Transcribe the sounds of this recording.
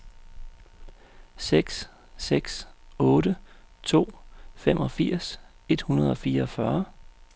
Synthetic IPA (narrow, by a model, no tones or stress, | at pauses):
seɡ̥s | seɡ̥sɔ̽ːɾət͡sʰo̝̰ːfemʔɒ̽fiɐ̰s | e̝d̥hunɐð̞ˠɒ̽fiːɐɒfɶɐ